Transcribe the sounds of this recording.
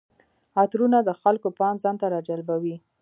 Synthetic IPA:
at̪ɾunad̪əxalkopɑnzɑnt̪aɾɑd͡ʒalbawi

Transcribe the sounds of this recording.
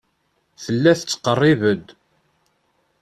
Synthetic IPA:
θəlːæθət͡sːə̥qːərˤːivəd̪

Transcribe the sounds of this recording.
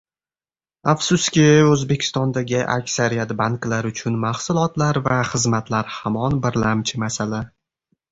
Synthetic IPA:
afsʊskʲɪɵzbe̞kʲʰɪ̥st̪ɒnd̪aɡʲɪʔa̰kʲsaɾijat̪baŋklaɾʊt͡ʃʰʊnmaχsʊlˠɒt̪laɾvaχɨzmat̪laɾhamɒnbɪɾlamt͡ʃʰɪmasala

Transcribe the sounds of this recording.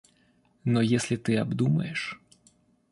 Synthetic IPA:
nɔjesʲlʲɪt̪ɨɐbd̪umɐ̰jɪʂ

